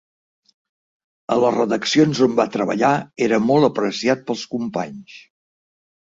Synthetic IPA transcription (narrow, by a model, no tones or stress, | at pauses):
ə̰ləzrəðəksionzombat̪ɾəβ̞ə̰ʎaeɾəmɔlˠəpɾəsiat̪̚pəlˠskumpa̰ɲs